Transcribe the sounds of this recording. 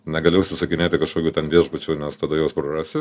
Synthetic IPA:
nʲɛɡɐlʲejɛʊsʲʊsɐkʲɪnʲeːt̪ʲɪkɐʃkoːkʲuːt̪ʲɛnʋʲiɛʒbʊt͡ʃʲuːnʲɛst̪ɐd̪ɐjoːsprɐrɑːsʲɪ

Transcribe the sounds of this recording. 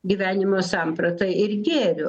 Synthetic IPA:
ɡʲiːʋʲæːnʲɪmoːsɑmpɾɐt̪ɐɪɪrɡʲeːrʲʊ

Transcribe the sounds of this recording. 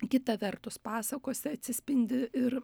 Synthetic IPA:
kʲɪt̪ɐʋʲɛrt̪ʊspɑːsɐkoːsʲɪɐt̪ʲsʲɪsʲpʲɪnʲd̪ʲɪɪr

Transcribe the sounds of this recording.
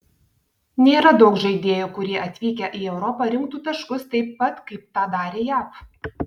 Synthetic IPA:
nʲeːɾɐd̪ɐʊkʒɐɪd̪ʲeːjukʊɾʲiɛʔɐt̪ʲʋʲiːkʲɛʔiɛʊɾɔpɐɾʲɪŋk̚t̪uːt̪ɐʃkʊst̪ɐɪpːɐt̪kɐɪp̚t̪ɑːd̪ɑːɾʲeːjæːp

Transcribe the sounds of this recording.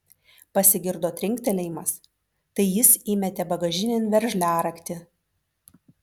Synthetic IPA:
pɐsʲɪɡʲɪɾd̪oːt̪ʲɾʲɪŋʲkʲt̪ʲɛlʲɛjmɐs | t̪ɐɪjɪsɪmʲɛt̪ʲɛbɐɡɐʒʲɪnʲɪnʲʋʲɛɾʲʒʲlʲæːɾɐkt̪ʲɪ

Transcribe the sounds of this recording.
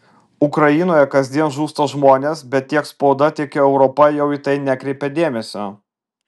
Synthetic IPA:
ʊkɾɐjɪnoːjɛkɐzʲd̪ʲiɛnʒuːst̪oʒmoːnʲeːsbʲɛt̪̚ʲt̪ʲiɛkspoʊd̪ɐt̪ʲiɛkʲɛɛʊɾɔpɐjɛʊɪt̪ɐɪnʲækɾʲɛɪpʲɛd̪ʲeːmʲɛsʲo

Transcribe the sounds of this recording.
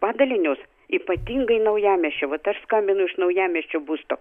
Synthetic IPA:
pɑːd̪ɐlʲɪnʲoːs | iːpɐt̪ʲiːŋɡɐɪnɐʊjæːmʲɛʃʲt͡ʃʲoʋɐt̪ɐʃskɐmʲbʲɪnʊɪʃnɐʊjæːmʲɛʃʲt͡ʃʲobuːst̪oː

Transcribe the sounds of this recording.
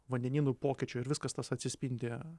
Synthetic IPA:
ʋɐnʲd̪ʲɛnʲiːnʊpoːkʲɪt͡ʃʲʊɪɾʋʲɪskɐst̪ɐsɐtʲsʲɪsʲpʲinʲd̪ʲɪ

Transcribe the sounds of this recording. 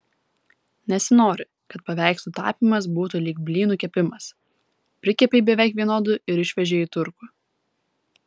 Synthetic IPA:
nʲɛsʲɪnoːɾʲɪ | kɐt̪̚pɐʋʲæˑɪksʲt̪ʊt̪ɑ̰ːpʲiːˑmɐs̬buːt̪ʊlʲiɡ̚bʲlʲiːnuˑkʲɛpʲɪmɐs | pʲɾʲɪkʲɛpʲeɪbʲɛʋʲɛɪkʋʲiɛnoːd̪ʊʔɪɾɪʃʲʋʲɛʒʲeːit̪ʊɾkʊ

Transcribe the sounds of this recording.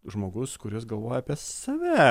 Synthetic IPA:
ʒmoːɡʊskʊɾʲɪsɡɐlˠʋoːjɛɐpʲiɛsɐʋʲɛ

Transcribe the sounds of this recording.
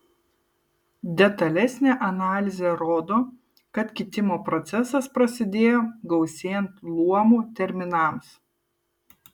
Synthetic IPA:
d̪ʲɛt̪ɐlʲɛsʲnʲeːʔɐnɑːlʲɪzʲeɾoːd̪oː | kɐt̪kʲɪt̪ʲɪmoːpɾɔt̪sʲɛsɐspɾɐsʲɪd̪ʲeːjoːɡɐʊsʲeːjɛnt̪lˠuɔmuːt̪ʲɛɾʲmʲɪnɐˑms

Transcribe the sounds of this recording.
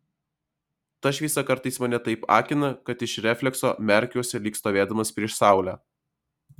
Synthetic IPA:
t̪ɐʃʋʲiːsɐkɐɾt̪ɐɪsmɐnʲɛt̪ɐɪpɑ̰ːkʲɪnɐkɐt̪ɪʃɾʲɛfʲlʲɛkso̰ːmʲɛɾʲkʲɛʊsʲɛlʲiːkst̪oːʋʲeːd̪ɐmɐspʲɾʲiɛʃsɑˑʊlʲæː

